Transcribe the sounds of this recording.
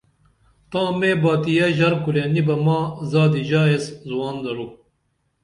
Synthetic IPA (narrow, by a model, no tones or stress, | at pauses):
t̪ãːmẽːbaːt̪ijɐʑɐɾkuleːnibɐmãːzaːd̪iʑaːeszuwaːnd̪ɐlu